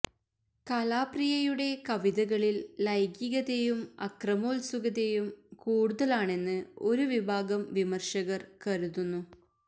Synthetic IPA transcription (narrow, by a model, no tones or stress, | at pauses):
kɐlaːprijɐjuɽe̞kɐʋiðɐɣɐɭilːɐjɡjiɣɐðejumɐkrɐmoːlsuɣɐðejumkuːɽuðɐlaːɳe̞nːɨo̞ɾuʋibʱaːɡɐmʋimɐrʂɐɣɐrkɐɾuðunːu